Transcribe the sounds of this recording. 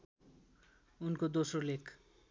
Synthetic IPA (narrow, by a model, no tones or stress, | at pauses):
unkod̪osrolekʰ